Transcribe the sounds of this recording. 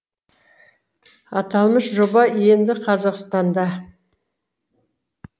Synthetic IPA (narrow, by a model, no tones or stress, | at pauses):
ɑt̪ɑlˠməʃʒo̞bɑje̞nd̪ɪqʰɑzɑqst̪ɑnd̪ɑ